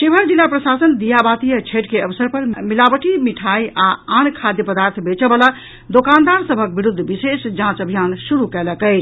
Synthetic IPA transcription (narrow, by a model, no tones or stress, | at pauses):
ʃebʱəɾd͡ʒilːapɾəsasənd̪ijabat̪ijət͡ʃʰeʈkeəbsəɾpəɾmilabəʈʰimiʈʰajaankʰad̪jəpəd̪aɾt̪ʰbet͡ʃəbəla | d̪okand̪aɾsəbʱək̚biɾud̪ʱːbisesd͡ʒãt͡ʃəbʱijansuɾukɛləkəɪt͡ʃʰ